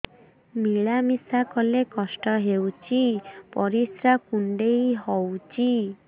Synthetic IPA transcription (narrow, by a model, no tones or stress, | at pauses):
miɭamisakɔlekɔsʈɔɦewt͡ʃʰipɔɾisɾakuɳɖejɦɔwt͡ʃʰi